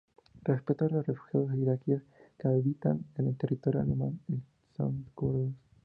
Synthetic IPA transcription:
respet̪olosrefu̥xjaðozðeiɾakieskeaβit̪a̰nenelt̪erit̪oɾjoa̰lemane | sa̰nt̪kuɾðos

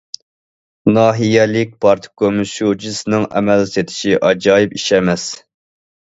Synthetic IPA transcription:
nɑːɦijɛlɪk̚ʲpʰɑɾt̪ʰɨ̥kʰømɨʃud͡ʒisɨnɨŋɛ̰mɛlset̪ʰɪ̥ʃiʔɑd͡ʒɑːjipiʃɛmɛs

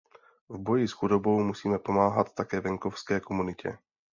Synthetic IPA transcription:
vbojisxudobowmusiːmɛpomaːɦat̪t̪ːakɛːvɛŋkofskɛːkomunɪcʰɛ̰

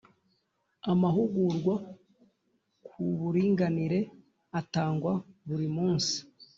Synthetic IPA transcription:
amaɦuɡuɾɡwa | kʰuβuɾiːŋɡaniɾe̞ | ataːŋɡwaβuɾimuːnsi̥

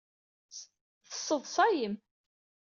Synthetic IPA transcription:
θə̥sˤːəðˤsˤɑjəm

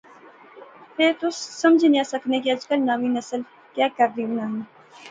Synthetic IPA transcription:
pʰɪɾt̪ʊsːɐmd͡ʒʱinjãːsɐknekiɐd͡ʒkəlnaːʋinɐsəl | kjaːkəɾdiunaːɦn

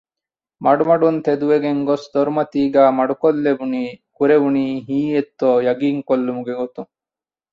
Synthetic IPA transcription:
mɐɽumɐɽunt̪ʰed̪uʋeɡeŋɡɔsd̪ɔɾmɐt̪iːɡamɐɽukɔlːebunikuɾebuɳiɦiːet̪ːɔjɐɡiːŋkɔlːumuɡeɡot̪u

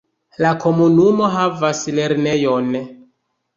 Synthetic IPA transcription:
lakʰo̞munumo̞ɦavasle̞ɾne̞jon

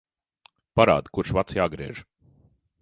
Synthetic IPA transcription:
paɾa̰ːd̪kuɾʃvat̪sjaːɡɾiɛʒ

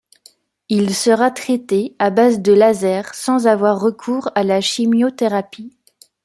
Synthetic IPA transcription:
ilsəʁat̪χɛt̪eabazd̪əlazɛʁsɑ̃zavwaʁːəkʰuːʁalaʃimjot̪eʁapi

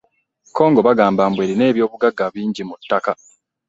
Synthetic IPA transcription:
kʰo̞ːŋɡo̞βaɡaːmbaːmbwe̞ːɾine̞ːβjo̞ːβuɡaɡːaβiːɲɟimutːaka

